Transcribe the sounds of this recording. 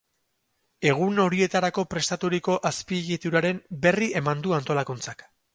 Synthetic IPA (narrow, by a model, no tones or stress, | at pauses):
e̞ɣ̞uno̞ɾie̞t̪aɾako̞pɾe̞st̪at̪uɾiko̞ʔaspiɣit̪uɾaɾe̞mbe̞rie̞mand̪uant̪o̞lakunt͡sak